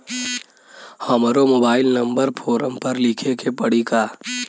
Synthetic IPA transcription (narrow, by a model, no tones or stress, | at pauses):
hɐmɾomoːbaːɪlnɐ̃mbəɾpʰoːɾəmpɐɾlikʰekʰepəɽikaː